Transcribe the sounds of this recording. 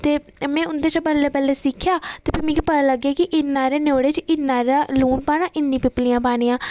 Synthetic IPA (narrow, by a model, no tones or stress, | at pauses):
t̪eː | mɛ̃ːʊnd̪eːt͡ʃabəlːeːbəlːɛːsɪkʰːjaːt̪eːpimĩːkipəɾaːləɡaːkɪʔɪnːãːɾeːnoːɽeːt͡ʃɪnːãːɾaːluːʈbaːnãːʔɪnːĩːpɪplijãːbaːniːãː